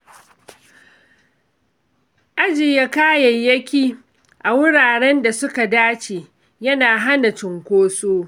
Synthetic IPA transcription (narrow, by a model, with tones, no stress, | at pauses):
ʔa˦d͡ʒɪ˨ja˦kaː˦jɐ˨jjːɐ˦kʲiː˦ | ʔa˨wʊ˦ɽaː˨ɽɛ˦nda˨sʊ˦ka˨daː˦t͡ʃeː˨ | jɐ˦naː˨ɦa˦na˨t͡ʃɪ˨ŋkʷoː˦soː˦